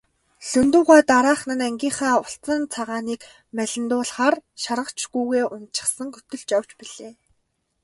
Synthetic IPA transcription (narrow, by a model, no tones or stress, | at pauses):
ɬɵnt̪uːʁaːt̪aɾaːχnə̆næŋɡʲiːɴχaːʊɬt͡sə̆nt͡sʰaʁaːniːk | mæɮʲɪ̆nt̪ʊːɮχaːrʃaɾʁə̆kt͡ɕɡujɣeːʔʊnt̪t͡ɕɪ̆χsə̆ŋɡɵt̪ɵ̆ɮt͡ɕaw̥t͡ɕpiɮ̥eː